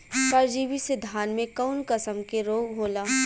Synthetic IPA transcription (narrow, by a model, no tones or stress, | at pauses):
kəɾd͡ʒiːʋised̪ʱaːnmẽkaʊnkəsəmkeɾoːɡɦoːlaː